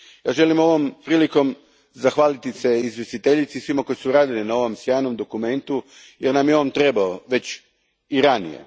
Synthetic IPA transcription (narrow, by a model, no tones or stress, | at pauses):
jaːʒe̞limo̞ʋompɾiːliko̞m | zaxʋaːlit̪ise̞izʋje̞st̪it̪eʎit̪sisʋimako̞isuɾaːd̪ilinao̞ʋo̞msjaːjno̞md̪o̞kume̞nt̪u | jeɾnamjeoomt̪ɾe̞baoʋe̞t͡ɕ | iɾanḭjḛ